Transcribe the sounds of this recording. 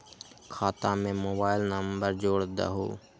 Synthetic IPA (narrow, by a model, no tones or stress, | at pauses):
kʰaːt̪aːmẽmoːbaːɪlnəmbəɾd͡ʒoːɽd̪a̰ɦo̰ː